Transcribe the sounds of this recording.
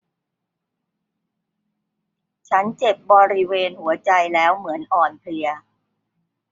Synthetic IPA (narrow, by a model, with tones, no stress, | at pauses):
t͡ɕʰa˦˥nt͡ɕe˨˩p̚bɔː˧ɾi˦˥weː˧nhu˩˦ɐt͡ɕa˧jlɛː˦˥wmɯ˩˦ənʔɔː˨˩npʰlɯ˧ɐ